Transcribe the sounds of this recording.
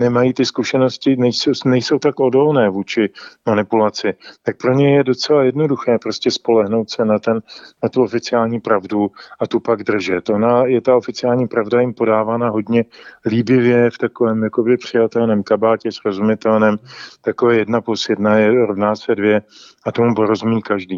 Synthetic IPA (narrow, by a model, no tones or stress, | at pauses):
nɛmajit̪ɪskuʃɛno̞scɪnɛjsownɛjso̞wt̪akʔo̞do̞lnɛːvuːt͡ʃɪmanɪpulat͡sɪt̪ak̚pɾo̞ɲɛjɛdo̞t͡sɛlajɛdno̞duxɛːpɾo̞scɛspo̞lɛɦno̞wt̪sɛnat̪ɛnːat̪uo̞fɪt͡sɪaːlɲiːpɾavduʔat̪upaɡd̪r̩ʒɛt̪ʔo̞najɛt̪aofɪt͡sɪaːlɲiːpɾavdajɪmpo̞daːvaːnaɦo̞dɲɛliːbɪvjɛft̪ako̞vɛːmjako̞bɪpr̝̥ɪjat̪ɛlnɛːmkabaːcɛsɾo̞zumɪt̪ɛlnɛːmt̪akovɛːjɛdnaposjɛdnajɛɾovnaːsɛdvjɛ | at̪omupoɾo̞zumiːkaʒdiː